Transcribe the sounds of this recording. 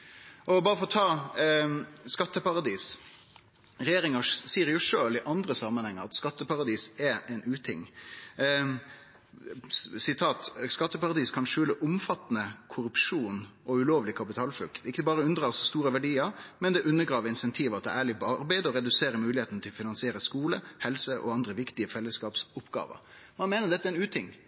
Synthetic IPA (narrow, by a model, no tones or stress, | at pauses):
ʔɔbɑːɾəfɔɔt̪ʰɑː | skɑt̪ːəpɑʁɑd̪iːs | ɾɛjeːɾɪŋəsiːəɾjʊʂøːlɪʔɑnd̪ɾəsɑmənhɛŋːəɾɑt̪skɑt̪ːəpɑʁɑd̪iːsɛʔɛɪnʉːt̪ʰɪŋː | sɪt̪ʰɑːt̪skɑt̪ːəpɑʁɑd̪iːskʰɑnʂʉːləʔʊmfɑt̪ːnəkʰʊɾʉpʂuːn | ʔɔʉloːʋlɪkʰɑpɪt̪ʰɑːlflʉ̰lkt̪ɪkːəbɑːɾəʉnd̪ɾɑːsɔst̪uːɾəʋæɖiːəɾmɛnd̪ɛʔʉnːəɡɾɑːʋəɾɪnsɛnt̪ʰiːʋɑt̪d̪ɛ̰æːɭɪbɑɾbæɪd̪ɔɾɛd̪ʉseːɾəmʉːlɪheːt̪ənət̪ʰɪlfɪnɑnsɪeːɾəskuːləhɛlsəʔɔ̰ɑnd̪ɾəʋɪkt̪ɪəfɛlːəskɑːpsʊpɡɑ̰ːʋə̰ɾ | mɑnmeːnəd̪ɛt̪ːæɛɪnʉːt̪ʰɪŋ